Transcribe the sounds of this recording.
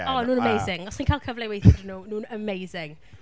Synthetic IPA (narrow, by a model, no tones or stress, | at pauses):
ɔnuːnəmejzɪŋɔsχinkʰaːlˠkʰəvlɛwejθɪdənonuːnəmejzɪŋ